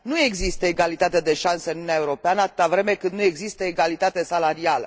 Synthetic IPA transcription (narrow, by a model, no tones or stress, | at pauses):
nue̞ɡzist̪əeɡalit̪at̪ed̪e̞ʃansəɨnuuneaeuɾo̞peanəat̪ɨ̥t̪avɾe̞me̞kɨnd̪nue̞ɡzist̪əeɡalit̪at̪e̞salaɾialə̰